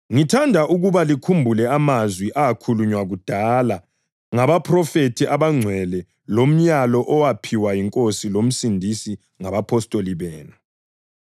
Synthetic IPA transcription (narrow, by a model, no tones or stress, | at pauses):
ŋitʰandʱaʔuɣuβalikʰumbʱulɛamazwiʔaːkʰuluɲwaɣud̥ʱala | ŋaβapʰrɔfetʰiʔaβaŋ͡ǀʱwɛlɛ | lom̩ɲalɔʔɔwapʰiwajiŋkʼosilom̩sindʱisi | ŋaβapʰɔstʼoliβɛːnu